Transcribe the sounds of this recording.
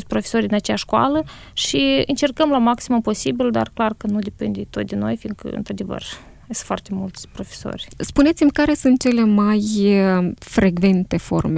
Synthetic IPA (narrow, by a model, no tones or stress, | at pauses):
sʲpɾo̞fesorʲd̪inat͡ʃeaʃkwa̰lə | ʃiɨ̰nt͡ʃe̞rkəmlamaksimupo̞sibild̪a̰rklarkənud̪epind̪et̪o̞t̪̚d̪ʲeno̞̰jfiŋkə̰ɨ̰nt̪ɾad̪e̞və̰r | sfoart̪e̞mult̪sʲpɾo̞feso̰rʲspune̞t̪simʲkaɾe̞sunt̪̚t͡ʃe̞le̞maj | fɾʔeɡve̞nt̪e̞fo̞̰rme̞